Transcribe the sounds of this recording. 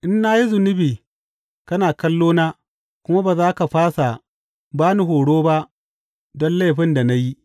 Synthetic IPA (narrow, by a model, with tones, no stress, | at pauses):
ʔɪ˦nːaː˦ji˦zʊ˨nʊ˦biː˨ | kɐ˦naː˨kɐ˦lːoː˦naː˦ | kʷʊ˦ma˦baː˨zaː˦ka˨ɸaː˦sa˨ | baː˦nu˦ɦoː˨ɽoː˦ba˦ʔ | dɔ˦nla˦˨ɸɪ˦nda˨na˦ji˦ʔ